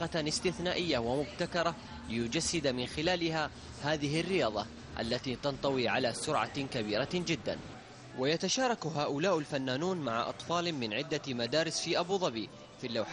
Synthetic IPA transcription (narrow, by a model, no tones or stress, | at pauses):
ɑɪst̪ɪθnaːʔɪjːawamʊbt̪akɑɾˤɑ | lɪjʊd͡ʒasːɪd̪amɪnxɪlaːlɪha | haːðɪɦɪrːɪjɑːðˤɑ | ʔa̰lːat̪it̪ɑnt̪ˤɑwiʕa̰lasʊɾʕa̰kabiːɾad͡ʒɪd̪ːa̰n | wɪjat̪aʃɑːɾˤɑkɦaːʔʊlaːʔalfanːaːnuːnmaʕa̰ʔɑ̰t̪ˤfɑːlmɪnʕɪd̪ːamad̪aːɾɪsfiːʔabuːðˤɑbiː | filːawħ